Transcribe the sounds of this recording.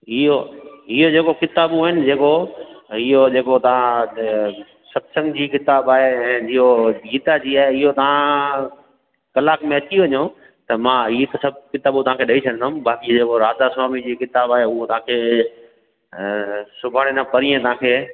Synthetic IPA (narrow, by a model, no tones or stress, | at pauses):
ɪɦoɪɦod͡ʑeːkokɪt̪aːbũaːɦɪnɪ̆d͡ʑeːko | ɪɦod͡ʑeːkot̪ɐʋã | sɐbsɐ̃ŋɡd͡ʑiːkɪt̪aːbaːɦeɛ̃ːd͡ʑiɦoiːt̪ad͡ʑiːaːɦeɪɦot̪ɐʋ̤ã | kɐlaːkmẽɐt͡ɕiʋɐɲõ | t̪ɐmãiːt̪sɐb̚ʱkɪt̪aːbũt̪ɐʋ̤ãːkʰeːɗɐit͡ɕʰɐənd̪aːɦʊ̃mbaːkid͡ʑeːkoɾaːd̪aswaːmid͡ʑiːkɪt̪aːbaːɦeʊɦot̪ɐʋ̤ãkʰeː | sʊbʱaːɽ̃enapɐɾiːẽt̪ɐʋɦãːkʰeː